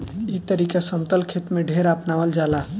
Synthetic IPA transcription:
it̪əɾikasəmt̪əlkʰet̪mẽɖʱeɾapnaʋəld͡ʒala

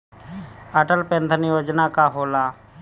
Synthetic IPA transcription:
əʈəlpẽnd̪ənɪjoːd͡ʒnakaɦoːlaː

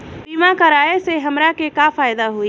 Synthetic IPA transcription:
pimãkəɾaːeseɦəmɾakekafaːjd̪aɦui

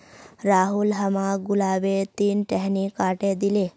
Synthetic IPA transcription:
ɾaːɦulɦɐmaɡulaːbet̪iːnʈeɦnikaːʈed̪ile

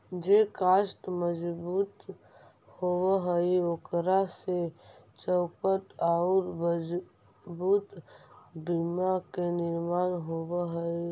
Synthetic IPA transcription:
d͡ʒekaːʃʈməd͡ʒbuːt̪ | howəɦəiokɾaset͡ʃɔːkəʈ̪aʊɾ | buːt̪bimakenɪɾmaːnɦowəɦəi

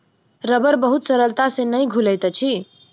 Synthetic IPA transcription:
ɾəbəɾbəɦut̪səɾəlt̪asẽnəjɡʱuləjt̪t͡ʃʰi

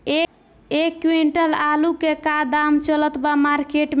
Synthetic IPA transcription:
e | ekːwiɳʈəlalukekad̪amt͡ʃələt̪bamaɾkeʈm

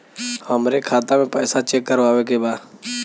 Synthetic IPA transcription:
həmɾekʰaːt̪aːmẽːpɛːsat͡ʃeːkːəɾʋaːʋeːkeːbaː

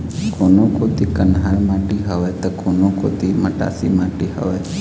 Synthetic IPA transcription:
konokot̪ikənɦaɾmãʈiɦəʋet̪okonoko̰t̪iməʈa̰sḭmaʈiɦə̰ʋe

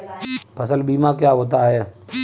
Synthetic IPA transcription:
pʰəsəlbiːmãkjaːɦoːt̪aɦɛː

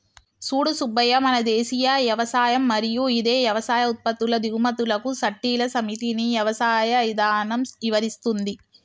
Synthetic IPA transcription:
suːɽusubɐjɐmɐnɐd̪eːsijɐʋjɐʋɐsaːjɐmːɐɾijuid̪eːjɐʋɐsaːjɐut̪̚pɐt̪ːulɐd̪iɣmɐt̪ulɐkusɐʈːiːlɐsɐmit̪inijɐʋɐsaːjɐid̪aːnɐmiʋɐɾist̪und̪i

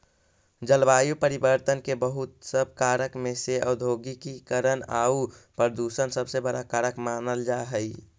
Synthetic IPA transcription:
d͡ʒəlʋaːjupəɾibəɾt̪ənkebəɦut̪səb̚ʱkaːɾəkmẽseəd̪ʱoːɡikikəɾəna̰ːupəɾəd̪usənsəbsebəɽakaːɾəkmaːnəld͡ʒaːɦəi

